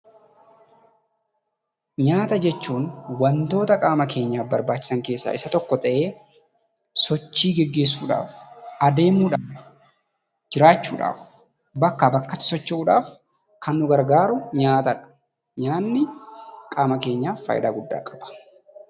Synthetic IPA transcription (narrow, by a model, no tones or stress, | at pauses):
ɲaːt̪ɐd͡ʒɛt͡ʃːuːnwɐnt̪o̞ːt̪ɐkʼaːmɐke̞ːɲːaːbɐɾbaːt͡ʃːɪ̥sɐŋke̞ːsːa̰ːʔɪsɐt̪ɔkːɔt̪ʼɐʔe̞ː | sɔt͡ʃːiːɡɛɡːe̞ːs̬ːuːᶑa̰ːfɐd̪e̞ːmuːᶑaːf | d͡ʒɪɾaːt͡ʃːṵːᶑa̰ːf | bɐkːɐbɐkːɐt̪ʊ̥sɔt͡ʃːɪuːᶑaːf | kɐnːʊɡɐɾɡaːɾʊɲaːt̪ɐᶑɐ̥ | ɲaːnːɪkʼaːmɐke̞ːɲːaːfːɐ̰ːjɪd̪aːɡʊdːa̰ːkʼɐb̥ɐ̥